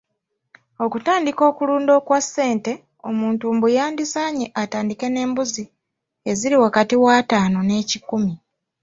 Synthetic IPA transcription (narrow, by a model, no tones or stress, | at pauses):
o̞kutaːndiko̞ːkuluːndo̞ːkwasːe̞ːnte̞ | o̞̰muːntuːmbujaːndisaːɲiʔataːndike̞ne̞ːmbuzi | e̞ziɾiwakatiwaːtaːno̞ne̞ːcikumi